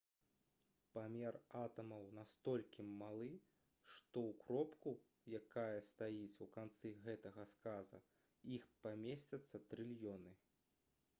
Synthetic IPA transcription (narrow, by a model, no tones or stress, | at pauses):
pamʲɛrat̪ɐmɐwnast̪ɔlʲkʲimalˠɨ | ʂt̪ɔwkɾɔpku | jakajɐst̪ajit͡sʲukant̪sɨɣɛt̪ɐɣɐskazɐ̰ | ixpamʲesʲt͡sʲɐt̪sːɐt̪ɾɨlʲjɔnɨ